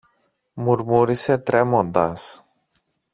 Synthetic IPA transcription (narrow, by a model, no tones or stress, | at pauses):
murmuɾiset̪ɾemod̪as